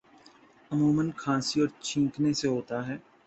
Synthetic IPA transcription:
ɐmuːmənkʰãːsiɔːɾt͡ʃʰĩːkneseɦoːt̪aɦɛː

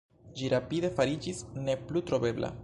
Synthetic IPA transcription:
d͡ʒiɾapide̞faɾid͡ʒisne̞plutɾo̞be̞bla̰

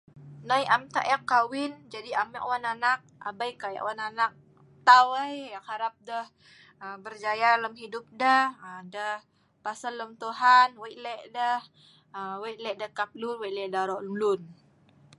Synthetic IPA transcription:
najamt̪a̰ʔjakːawɪnd͡ʒadiamɛʔwananak̚a̰bajkaja̰ʔwananak̚ | t̪awəjjakhaɾap̚dəh | əbərd͡ʒajaləmɦidʊp̚dəhədəh | pasalːəmt̪uɦanwajlɛʔdəh | əwajlɛʔdakap̚lunwajlɛʔdaɾɔʔlumlʊn

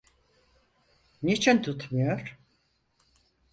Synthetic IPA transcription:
nit͡ʃʰint̪ʰut̪mujoɾ̥

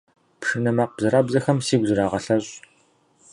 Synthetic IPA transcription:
pʂɨnɐmaq̚b̥zɨɾaːbzɐxɐmsiːɡʷzɨɾaːʁɐɬɐɕʼ

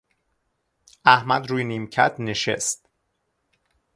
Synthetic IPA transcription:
æhmæd̪ɾuːjeniːmcʰæ̰t̪ʰneʃḛst̪

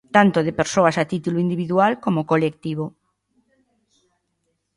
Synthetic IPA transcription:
t̪ant̪oðepeɾsoasat̪it̪uluind̪iβiðualkomokolek̚t̪iβ̞o

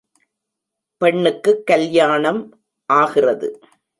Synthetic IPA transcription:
pɛɳːɯkːɯkːɐljaːɳɐm | ʔaːɣɪrɐðɯ̰

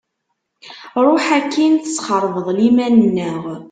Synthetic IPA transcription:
ɾˤoħækːinθə̥sχəɾˤvəðˤlimænənːəʁ

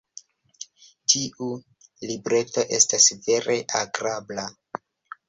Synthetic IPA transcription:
tʰiʔu | libɾe̞to̞ʔe̞stasve̞ɾe̞ʔaɡɾabla

